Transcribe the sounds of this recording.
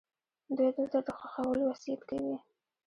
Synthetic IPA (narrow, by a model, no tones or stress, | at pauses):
d̪ujd̪əɾt̪əɾd̪əxaxawəlowasijat̪kawi